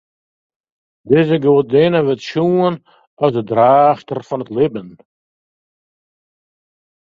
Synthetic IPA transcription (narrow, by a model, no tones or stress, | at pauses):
dɪzəɡoːt̚denəvɛtʃuːən | ɔzəd̪ɾaːʃtərfɔnətlɪbən